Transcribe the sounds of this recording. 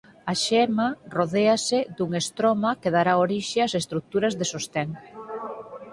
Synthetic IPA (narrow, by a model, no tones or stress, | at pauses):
aʃɛmaroðeased̪uŋest̪ɾomakeðaɾaoɾiʃeasest̪ɾuk̚t̪uɾɐzðesost̪eŋ